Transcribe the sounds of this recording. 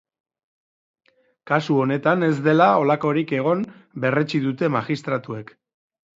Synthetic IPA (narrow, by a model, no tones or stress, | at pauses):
kasuo̞ne̞t̪ane̞zd̪e̞lao̞lako̞ɾike̞ɣ̞o̞mbe̞re̞t͡ʃiðut̪e̞maɣist̪ɾat̪ue̞k